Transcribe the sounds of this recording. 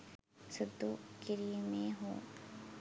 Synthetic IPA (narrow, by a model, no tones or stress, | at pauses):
səd̪ːuːkɪɾimẽɦoː